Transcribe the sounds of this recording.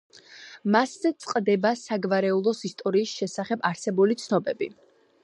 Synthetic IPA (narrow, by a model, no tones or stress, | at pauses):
maszɛt̪sʼqʼd̪ɛbasaɡvaɾɛulˠɔsist̪ʼɔɾiːsʃɛsaχɛbaɾsɛbulit̪sʰnɔbɛbi